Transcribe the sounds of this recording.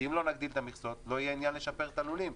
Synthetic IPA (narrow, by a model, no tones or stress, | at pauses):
imlo̞naɡd̪ilt̪amiχso̞t̪lo̞ijeinjanle̞ʃape̞ʁt̪alulim